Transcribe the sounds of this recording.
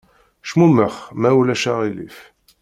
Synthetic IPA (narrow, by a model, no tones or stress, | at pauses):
ʃmuməχmæwlæʃaʁilḭf